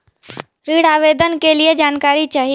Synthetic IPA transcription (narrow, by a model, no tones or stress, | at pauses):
ɾiːɽaːʋeːd̪ənkelied͡ʒaːnkaːɾit͡ʃaːɦi